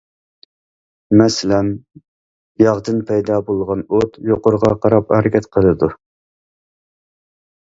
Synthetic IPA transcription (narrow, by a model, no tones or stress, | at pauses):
mɛsɪlɛn | jɑʁd̪ɨnpʰɛjd̪ɑːbolˠʁɑnot̪joqʊɾʁɑqʰɑɾɑphæɾɪkʲʰɛt̪qʰəlˠɨd̪u